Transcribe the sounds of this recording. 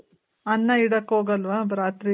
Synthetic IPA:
ɐnːɐiɽɐkːɦoːɡɐlʋabɾaːt̪ɾi

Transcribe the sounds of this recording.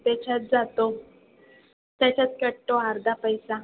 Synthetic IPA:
p̪et͡ɕʰat̪̚d͡zat̪o | t̪jat͡ɕat̪kəɽʈoaɾd̪ʱapəjsã

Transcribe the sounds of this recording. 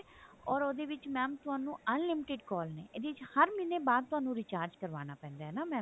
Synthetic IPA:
ɔːɾoːd̪eːʋɪt͡ʃmɛ̃ːmt̪ʊɦaːnũːənlɪmɪʈɪɖkɔːlnẽːɪd̪eːɪt͡ʃhəɾmɪneːbaːd̪̚t̪ʊɦaːnũːɾɪt͡ʃaːɾd͡ʒkəɾʋaːñaːpɛ̃ːnd̪aːɦɛːnaːmɛ̃ː

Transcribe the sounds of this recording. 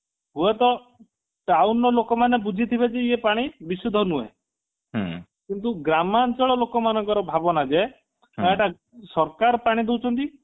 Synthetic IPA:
ɦuet̪ɔ | ʈawnɔlokɔmanebud͡ʒʱit̪ʰibed͡ʒeepaɽ̃ibisud̪ʱɔnuḛ̃ | kint̪uɡɾamant͡ʃɔɭɔlokɔmanɔŋkɔɾɔbʱabɔnad͡ʒe | aeʈa | sɔɾkaɾɔpaɽ̃id̪ewt͡ʃʰɔnt̪i

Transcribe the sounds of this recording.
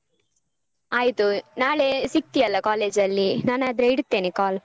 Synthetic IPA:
aːjt̪unaːɭesik̚t̪iɐlːɐkaːle̞ːd͡ʒɐlːinaːnaːd̪ɾeiɽt̪ːe̞ːnekaːl

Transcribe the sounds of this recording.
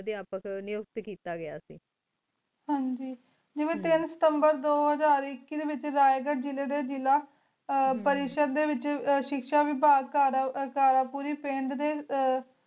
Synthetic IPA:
d̪iaːpəknɪjʊk̚t̪kiːt̪aːɡɪja̰ːsiː | ɦãːɲd͡ʒiː | d͡ʒeːʋẽːt̪ɪnsə̥t̪əmbəɾd̪oːɦəzaːɾɪkːid̪eːʋɪt͡ʃɾaːjɡəʈd͡ʒɪleːd̪eːd͡ʒɪlaː | pəɾɪʃəd̪d̪eːʋɪt͡ʃʃɪkʃaːʋiːbaːɡkaːɾakaːɾaːpuːɾiːpẽːɳɖd̪eː

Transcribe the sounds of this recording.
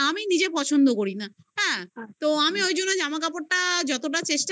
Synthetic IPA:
aminid͡ʑepɔt͡ɕʰond̪okoɾina | ɦɛ̃t̪oamiojd͡ʑonːod͡ʑamak̬apoʈʈad͡ʑɔt̪oʈat͡ɕeʃʈa

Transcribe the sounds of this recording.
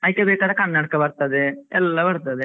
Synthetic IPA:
ɐjikːebeːkad̪ɐkɐnːaːɽkɐbɐɾt̪ɐd̪eɛlːɐbɐɾt̪ɐd̪e

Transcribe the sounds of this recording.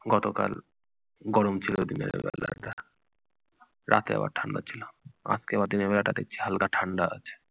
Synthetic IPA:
ɡɔt̪okal | ɡɔɾomt͡ɕʰilod̪inḛɾ̰bɛlat̪a | ɾat̪ea̰ba̰ɾʈʰaɳɖat͡ɕʰilama̰skebaɾd̪inebɛlaʈad̪ek̚t͡ɕʰi̥ɦalkaʈʰaɳɖaa̰t͡ɕʰe̥

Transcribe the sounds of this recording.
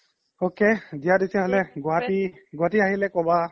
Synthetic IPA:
okedijadisɛɦolɛɡɔatiɡɔɦatiaɦilɛkɔba

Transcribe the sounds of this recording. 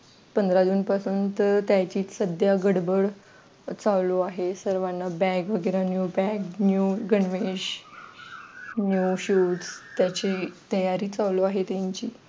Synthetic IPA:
pənd̪ɾad̪uːnpasuːnt̪t̪jat͡ɕiːsəd̪jaɡəɽbəɭ | t͡sawloaɦesəɾʋanːabɛkʋəɡəɾanjubɛknjuɡəɳʋeɕ | njuɕust̪jat͡ɕet̪əjaɾiːt͡saʋloaɦet̪aɲt͡ɕiː

